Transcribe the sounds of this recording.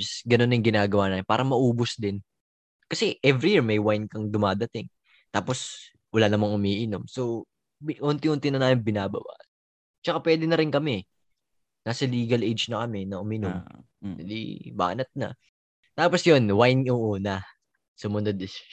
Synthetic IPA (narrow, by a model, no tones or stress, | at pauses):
sɡɐno̞njʊŋɡɪnaːɡɐwaːnaːmɪnpaːɾʔɐŋmɐʔuːbosd̪ɪn | kɐsɛʔɛvɾijiɹmɐjwajnkɐŋd̪ʊmaːd̪ɐt̪ɪŋ | t̪aːpo̞s | wɐlanɐmɐŋʊmiːʔɪno̞mso | bʔont̪ɪŋʔont̪ɪnɐnaːmɪnbɪnaːbɐ̰ba̰ʔ | t͡ʃɐkapwɛːd̪ɪnɐɾɪnkɐmɛ | naːsɐliːɡɐlʔejd͡ʒnɐkɐmɛnɐʔʊmɪnom | d̪ɐlḭba̰ːnɐt̪̚nɐ̰ | t̪aːpo̞sjonwajnoʔonɐ | sʊmɐnod̪ɪs